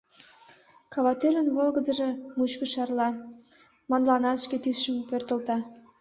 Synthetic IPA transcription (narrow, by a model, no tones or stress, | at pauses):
kɑβɑt̪øɾənβolɡə̆d̪ə̆ʒĕmut͡ɕkəʃɑrlɑ | mɑnlɑnɑt̪ʃket̪ysʃəmpørt̪ə̆lt̪ɑ